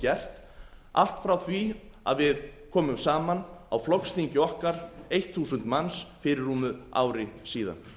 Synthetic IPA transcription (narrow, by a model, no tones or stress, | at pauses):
cɛr̥t̪ | a̰l̥t̪fɾawθvia̰ðvɪðkʰɔːmʏmsaːmana̰wflɔkst̪iɲcɪɔhkaɾejht̪ʰθuːsʏnt̪mansfɪːɾɪɾ̥umʏa̰ːwɾɪsiːða̰n